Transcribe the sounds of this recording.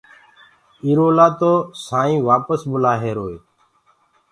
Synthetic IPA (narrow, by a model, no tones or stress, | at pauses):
iːɾoːlaːt̪oːsaːĩːʋaːpəsbʊlaːɦeːɾoːeː